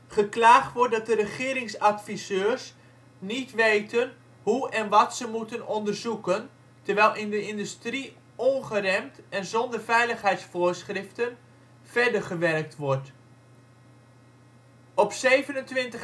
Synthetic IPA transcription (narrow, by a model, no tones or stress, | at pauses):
χəklaːχtʋɔɹ̚dɑt̚dəɾəχɪːɾɪŋsatfisøːrs | nitʋejtʰən | ɦuɛnʋɑtsəmutənɔndərzukən | təɹʋɛjlˠʔɪndəɪndystri | ɔnχərɛmtɛnzɔndərvɛjləχɦɛjtsfoːɹsχrɪftən | vɛɹdərχəʋɛrk̚tʋɔɹt | ɔpsejvənəntʋɪntə